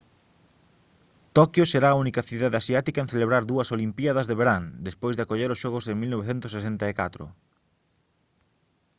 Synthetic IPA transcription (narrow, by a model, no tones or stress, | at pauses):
t̪okjoseɾaːunikɐθiðaðeasiat̪ikaẽn̟θeleβɾaɾðuɐsolimpiaðɐzðeβeɾand̪espojzðɪakoʎeɾʊsʃɔɣʊzeŋmilnoβeθent̪ʊsesent̪ɐekat̪ɾʊ̰